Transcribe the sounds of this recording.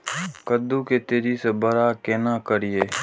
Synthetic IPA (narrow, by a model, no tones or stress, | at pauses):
kəd̪ːuket̪eːɾisebəɾakeːnakəɾijeː